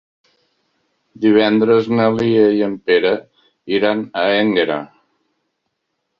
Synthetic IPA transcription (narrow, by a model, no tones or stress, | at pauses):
d̪iβ̞ɛnd̪ɾəznəliejəmpeɾə | iɾanəeŋɡeɾa̰